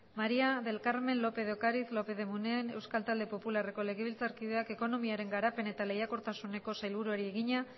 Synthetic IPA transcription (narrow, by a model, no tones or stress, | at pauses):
maɾiaðe̞lkaɾme̞nlo̞pe̞ð̞okaɾiθlo̞pe̞ðe̞munene̞wskalt̪ald̪e̞po̞pulare̞kole̞ɣeβ̞ilt͡saɾkiðe̞ake̞ko̞no̞miaɾe̞ŋɡaɾape̞ne̞t̪alejako̞ɾt̪asune̞ko̞sajlβuɾuaɾie̞ɣiɲa